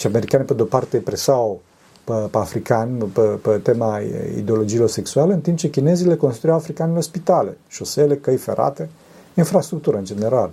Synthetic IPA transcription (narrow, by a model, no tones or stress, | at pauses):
ʃiame̞ɾikaneped̪eopart̪epɾesaw | pepeafɾikanʲpepet̪emaḭd̪eo̞lo̞d͡ʒiːlo̞rse̞ksualəɨnt̪imp̚t͡ʃe̞kʲine̞zile̞ko̞nst̪ɾujawafɾikanilorspit̪ale̞ʃo̞sele̞kəjfeɾʔa̰t̪e̞ | infɾast̪ɾukt̪uɾəɨnd͡ʒene̞ɾal